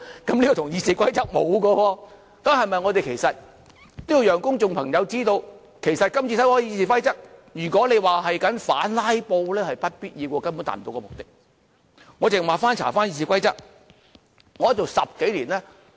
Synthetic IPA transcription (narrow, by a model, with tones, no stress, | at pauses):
kɐ˨˥mliː˥kɔː˧t̪ʊ˨˩ŋjiː˧siː˨˧kʷɐ˥jt͡sɐ˥k̚mo˨˧wkɔː˧wɔː˧ | kɐ˨˥mhɐ˨jmɐ˨jŋɔː˨˧t̪e˨jkʰe˨˩jsɐ˨t̚ | t̪ʊ˥ji˧jœː˨˩ŋkʊ˥ŋt͡sʊ˨ŋpʰɐ˨˩ŋjɐ˨˧wt͡siː˥t̪o˧w | kʰe˨˩jsɐ˨t̚kɐ˥mt͡sʰiː˧sɐ˨˥jkɔː˧˥jiː˧s̬iː˧kɐ˥jt͡sɐ˥k̚jyː˨˩kʷɔː˨˥le˨˧jwaː˨ɦɐ˨jkɐ˨˥nfa̰ː˨˥nlaː˥jpo˧wlɛː˥hɐ˨jpɐ˥t̚piː˥t̚jiː˧kɔː˧kɐ˥npu˨˥nt̪a̰ː˨˩m˨t̪o˧wkɔː˧mʊ˨k̚t̪ɪ˥k̚ | ŋɔ˨˧t͡sɪ˨maː˨faː˥nt͡sʰa̰ː˨˩faː˥njiː˧s̬iː˨˧kwɐ˥jt͡sɐ˥k̚ | ŋɔː˨˥t̚o˨wsɐ˨p̚ke˨˥jliː˨˩nlɛː˥